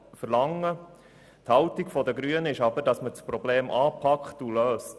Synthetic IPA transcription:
fəɾlɑŋːə | t̪hɑwtiɡfɔdəɡɾyənəɪʃɑbəɾdɑsmət͡spɾɔbleːmʔɑːpʰɑkχtuløːst

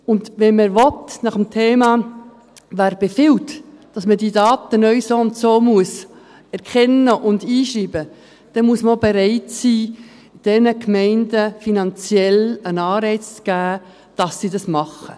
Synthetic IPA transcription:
ʊndʋɛnməʋɔtnɑχəmtʰeːmɑ | ʋæːɾb̥efɪltd̥ɑsmədiːdɑːtənœʏsoːʊntsoːmuəs | ɛɾkʰɛnəʔʊndiːʃriːbə | d̥ɛmuəsməobeɾɛɪtsiː | ɪd̥ɛnəkmɛɪndəfinɑnt͡sjɛlənɑːɾɛɪt͡st͡sɡ̥æː | d̥ɑsːidɑsmɑχə

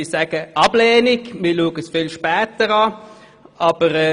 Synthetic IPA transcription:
isɛɡ̥əʔɑb̥lɛːnɪɡmɪluːɡəsfɪlʃpɛːt̪əɾɑ | ʔɑb̥əɾɛ

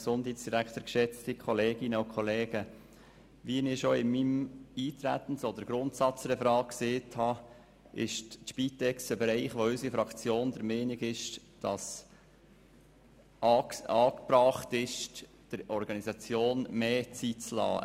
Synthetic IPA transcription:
sʊnd̥hɛːtsd̥iɾæktəɾkʃɛt͡stɪkχɔleːɡɪnəʊkʰχɔleːɡ̥ə | ʋiɪnɪʃoɪmːimiːt̪ɾæ̰t̪ən̩sɔd̥̪əɾɡ̥ɾʊntsɑt͡sɾɛfɾɑːkseːthɑ | ʔɪ̰ʃtʃpiːtɛksəbɛɾɛɪχʋoysifɾɑkt͡sjoːnd̥əɾmɛːnɪɡɪʃ | d̥ɑs | ɑːkpɾɑːχtɪʃt | d̥əɾɔɾɡɑnizɑt͡sjoːnmeːt͡sitt͡slɑ̰ː

